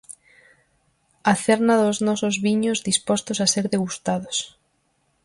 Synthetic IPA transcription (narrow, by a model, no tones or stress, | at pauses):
aθeɾnaðoznɔsozβiɲozðispɔst̪osaseɾðeɣust̪aðos